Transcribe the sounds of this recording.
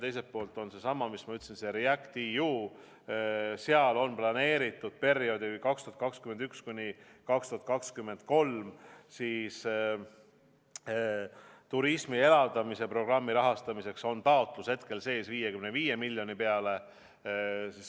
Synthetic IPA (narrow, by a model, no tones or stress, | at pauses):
t̪e̞jse̞t̪̚po̞ːlt̪ːˑo̞nse̞sɑmɑmismɑyt̪ːˑsinseɾiækt̪ijuː | seɑlo̞nplɑne̞ːɾit̪ːˑud̪̥̚pe̞ɾjo̞d̪ikɑkst̪uhɑt̪̚kɑkskyme̞nd̪ykskunʲikɑkst̪uhɑt̪̚kɑkskymːe̞nd̪̥̚ko̞lmsiːs | t̪uɾismie̞lɑld̪̥ɑmise̞pro̞ɡ̥rɑmːiɾɑɦɑst̪ɑmise̞kso̞nt̪ɑot̪ˑlushe̞t̪ke̞lse̞ːsviːjekymneviːje̞milʲːjo̞nipeɑle̞ | sis